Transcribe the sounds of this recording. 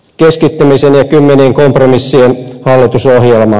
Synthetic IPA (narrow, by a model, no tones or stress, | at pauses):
keskit̪ːymisenjɑkymːeniːŋkompromisːienhɑlːit̪usohjelmɑ